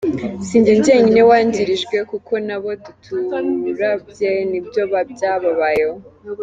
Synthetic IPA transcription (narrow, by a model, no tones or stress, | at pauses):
siːɲɟeɲɟeɲinewaːɲɟiɾiʒɡwe̞kuko̞naβo̞dutʰuuɾabjenibjo̞βabɟaβaβajeho